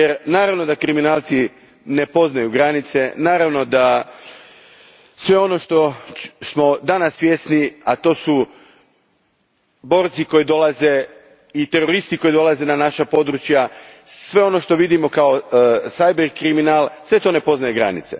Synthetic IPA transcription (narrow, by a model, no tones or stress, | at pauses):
jeɾnaːɾaʋno̞d̪akɾiminaːlˠt̪si | ne̞po̞znajuɡɾanit̪se̞naːɾaʋno̞d̪a | sʋe̞o̞no̞ʃt̪o̞smo̞d̪anasʋje̞sniat̪o̞ːsu | bo̞ːɾt̪siko̞jid̪o̞laze̞ | it̪e̞ɾo̞ɾist̪iko̞id̪o̞lˠaze̞nanaʃapo̞d̪ɾut͡ʃjasʋe̞o̞no̞ʃt̪o̞ʋid̪imo̞kaosajbeɾkɾiminaːlˠsʋe̞t̪o̞ne̞po̞znajeɡɾa̰nit̪sḛ